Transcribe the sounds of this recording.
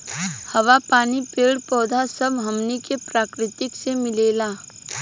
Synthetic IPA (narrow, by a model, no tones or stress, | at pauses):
hɐʋapaːnipɪlɖpɔːd̪ʱasɐbɦɐmnikepɾaːkɾɪt̪ɪksemɪleːlaː